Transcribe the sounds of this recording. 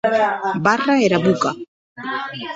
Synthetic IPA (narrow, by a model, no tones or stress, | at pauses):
baraeɾaβuka